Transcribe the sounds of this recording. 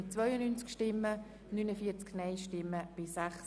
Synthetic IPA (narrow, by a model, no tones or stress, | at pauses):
ɪt͡sʋvœʏənyːnt͡skʃtɪmːə | nynəfiːət͡sknɛɪʃtɪmːəb̥ɪsɛχs